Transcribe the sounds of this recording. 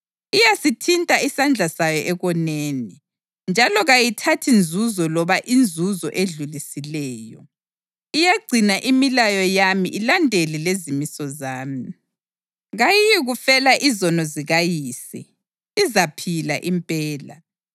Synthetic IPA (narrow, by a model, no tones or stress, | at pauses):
ijasitʰintʼaisand͡ɮʱasajɔʔɛɣɔneːni | nd͡ʒʱalɔɣajitʰatʰind͡zʱuzɔlɔβaʔind͡zʱuzɔʔeɮulisilɛːjɔ̰ | ijeɡ͡ǀʱinaʔimilajɔjamḭʔilandʱelilezimisɔzaːmi | ɣajijiɣufɛlaʔizɔnɔziɣajiːsḭː | zapʰila̰ʔimpʼɛːla